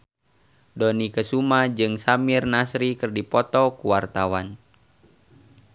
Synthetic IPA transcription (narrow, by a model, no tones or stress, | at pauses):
dɔnikəsumad͡ʒɨŋsamirnasɾikɨrdipɔt̪ɔkuwart̪awan